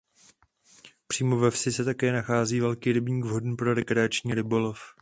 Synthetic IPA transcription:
pr̥iːmo̞vɛfsɪsɛt̪akɛːnaxaːziːvɛlkiːɾɪbɲiːɡvɦo̞dn̩pɾo̞ɾɛkɾɛat͡ʃɲiːɾɪbo̞lo̞f

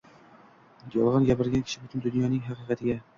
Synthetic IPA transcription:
jɒlˠʁɑnjæbɘ̆ɾɡʲæŋkʲɘ̥̆ʃɘbɵt̪ɵnd̪ɵnjɑnɪŋɦæqɨqæt̪ɘ̆ɡʲæ

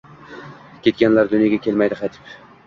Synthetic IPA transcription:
kʲʰe̞t̪̚kʲanlaɾd̪ʊnjaɡʲakʲʰe̞lmajd̪ɪqʰɑjt̪ʰɪ̥p

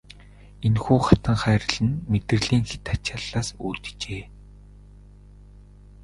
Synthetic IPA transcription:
enxuːχḁt̪ə̆ɴχæːɾə̆ɮɘ̆nmet̪ɘ̆rɮiːŋxet̪ḁt͡ɕaːɮːaːsṵːt̪̆t͡ɕeː

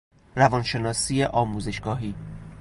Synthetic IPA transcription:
ɾævɒnʃe̞nɒːsiːeʔɒːmuːze̞ʃɡ̥ɒːɦiː

